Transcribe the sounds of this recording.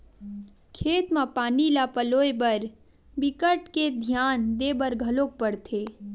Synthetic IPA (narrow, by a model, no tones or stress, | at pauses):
kʰeːt̪mãpaːnilapəloːebəɾ | bɪkəʈked̪ʱjaːnd̪ebəɾɡʱəloːk̚pəɽt̪ʰeː